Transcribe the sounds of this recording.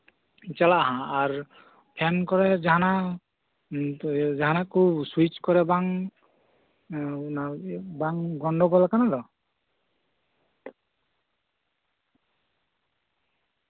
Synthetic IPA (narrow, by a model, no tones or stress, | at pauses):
t͡ʃalaʔaɦãaɾ | pʰɛnkɔɾɛd͡ʒaɦana | d͡ʒaɦanakʰubswit͡ʃkɔɾɛbaŋ | nabaŋɡɔɳɖɔɡɔlakanad̪ɔ